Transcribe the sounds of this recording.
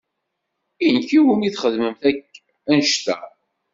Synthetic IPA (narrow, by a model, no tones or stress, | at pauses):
ijnkiwəniθχəðməmθækː | ænʃt̪æ̰